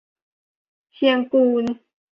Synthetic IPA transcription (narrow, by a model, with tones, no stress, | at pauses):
sʰi˧əŋkuː˧˩n